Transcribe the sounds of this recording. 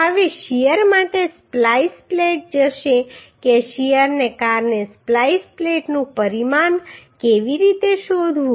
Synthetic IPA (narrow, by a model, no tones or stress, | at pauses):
əʋeʃijəɾmaʈesplajspleʈ̚d͡ʒəʃekeʃijəɾnekaɾnesplaispleʈnũpəɾimankeʋiɾit̪eʃod̪ʱʋũ